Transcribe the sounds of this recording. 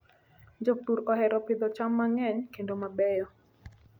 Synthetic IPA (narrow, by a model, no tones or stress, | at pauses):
nd͡ʒok̚t̪uɾɔhɛɾɔpɪd̪ɔt͡ʃamːaŋɛɲkendomabɛjɔ